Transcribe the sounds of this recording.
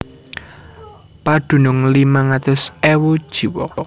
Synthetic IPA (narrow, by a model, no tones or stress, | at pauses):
pad̪̥ṳnʊŋlimaŋat̪ʊsɛwud̥ʒ̥i̤wɔ